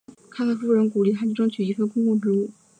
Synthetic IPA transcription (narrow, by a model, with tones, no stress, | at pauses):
kʰa˥kʰa˥˩fu˥˩ɻə˧˥nku˨˩li˥˩a˥t͡ɕi˥ʈ͡ʂɤ˥ŋt͡ɕʰy˨˩i˧˥fə˥kʊ˥ŋkʊ˥˩ŋʈ͡ʂɻ̩˧˥u˥˩